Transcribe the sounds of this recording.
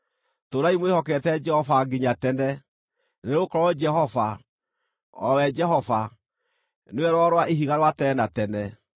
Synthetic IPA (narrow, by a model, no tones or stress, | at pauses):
toɾaimwehɔkɛtɛd͡ʒɛhɔfaɡiɲatɛnɛ | neeokɔɾɔd͡ʒɛɦɔva | ɔwɛd͡ʒɛɦɔva | newɛɾwɔɾwaʔeɦiɣaɾwatɛnatɛnɛ